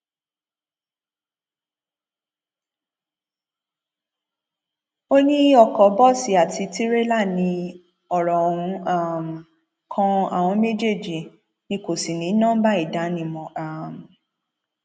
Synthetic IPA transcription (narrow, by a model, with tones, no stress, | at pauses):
o˦nĩ˦ɔ˦˨kɔ˨˦bɔ˦si˨a˨tʰi˧ti˦ɾe˦la˦˨nĩ˧ | ɔ˨ɾɔ˨hũ˨˧a˦˨m˨ | kʰã˧a̰˨w̃ɔ̃˧me˦d͡ʒe˦˨d͡ʒi˨ | nĩ˧˦ko˨si˨nĩ˨˦nã˦ba˦i˦˨da˨˦nĩ˧mɔ̃˨ʔa˨m̩˨